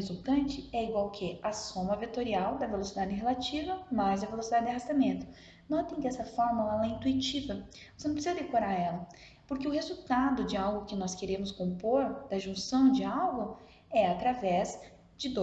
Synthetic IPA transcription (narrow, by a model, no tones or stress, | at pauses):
zuwt̪ɐ̃nt͡ʃɪɛiɡwawkʰɪɐsõmɐvet̪oɾiawd̪ɐvelosid̪ad͡ʒɪɦelat͡ʃivɐmazd̪ɐvelosid̪ad͡ʒɪdɪɐɦast̪amẽnt̪ʊ | nɔt̪ẽj̃kɪɛsɐfɔɾmɐɛɛ̃ɐĩnt̪uit͡ʃivɐ | vosenɐ̃pɾesizɐd̪ekoɾaɾɛlɐ | pʊɾkɪʊɦezuwt̪ad̪ʊd͡ʒɪawɡʊkɪnɔskeɾẽmʊskõmpoɾd̪̥ɐʒũsɐ̃w̃d͡ʒɪawɡʊ | ɛat̪ɾavɛz | d͡ʒɪd̪o